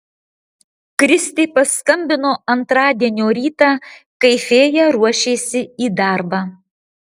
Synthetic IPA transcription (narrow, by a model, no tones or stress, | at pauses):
kɾʲɪsʲt̪ʲeɪpɐskɐmʲbʲɪnoːɐnt̪ɾɑːd̪ʲiɛnʲoːɾʲiːt̪ɑː | kɐɪfʲeːjɛɾuɔʃʲeːsʲɪiːd̪ɑˑɾbɑː